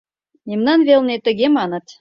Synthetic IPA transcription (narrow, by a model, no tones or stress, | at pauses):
nʲemnɑnvʲelˠnʲet̪ə̆ɡʲemɑnə̆t̪